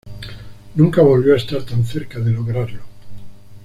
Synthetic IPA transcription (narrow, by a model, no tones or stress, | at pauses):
nũŋkaβo̞lβjoaest̪aɾt̪anθeɾkaðeloɣɾaɾlo